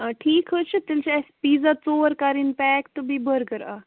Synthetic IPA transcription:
ʈʰiːkɦət͡ʃʰit̪ɪlt͡ʃɛspiːzaːt͡soːəɾkaɾɪnpɛːkt̪bibəɾɡəɾa̰ː

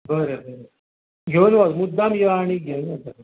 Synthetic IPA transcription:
bəɾebəɾe | ɡʱenʋaɡmud̪ːamjəaɽ̃iɡʱewnabəɾe

